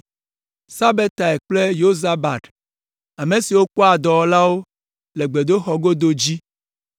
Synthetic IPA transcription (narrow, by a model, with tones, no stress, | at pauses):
sa˦be˦t̪a˨e˨k͡ple˦jo˦za˦ba˨t̪ | a˨me˨si˨wo˦k͡pɔ˦a˨d̪ɔ˨wɔ˦la˦wo˦ | le˨ɡ͡be˨d̪o˦xɔ˨ɡo˦d̪o˦d͡ʑi˦